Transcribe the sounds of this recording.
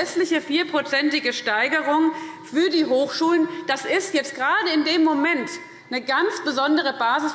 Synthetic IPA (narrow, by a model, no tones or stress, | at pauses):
ɛstlɪçəfiːɐpʁ̥ot͡sɛntɪɡəʃtaɪɡəʁʊŋfyːɐdiːɦoːxʃuːlənd̥asɪstjɛt͡st̚ɡ̥ʁaːdəɪndeːmːomɛnt | nəɡant͡sb̥əzɔndəʁ̞əbaːzɪs